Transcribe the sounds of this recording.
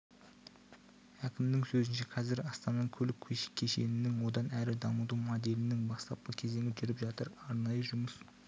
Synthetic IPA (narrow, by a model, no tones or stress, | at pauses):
hækʲɪmd̪ɪŋsɵzɪnʃeqʰɑzɪɾɑst̪ɑmɑŋkʲʰɵlɪkʲʰːɵjʃɪ̥kʲʰe̞ʃenɪnɪŋwo̞d̪ɑnæɾɪd̪ɑməd̪umod̪e̞lɪnɪŋbɑst̪ɑp̚qəkʲʰe̞ze̞ŋɪpʒʏɾɪpʒɑt̪əɾɑɾnɑjəʒʊməs